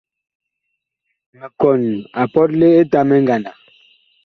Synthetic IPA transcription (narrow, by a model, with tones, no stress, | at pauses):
me˨kɔ˨na˨pɔ˦t̚le˦e˦ta˦mɛ˦ŋɡa˨na˨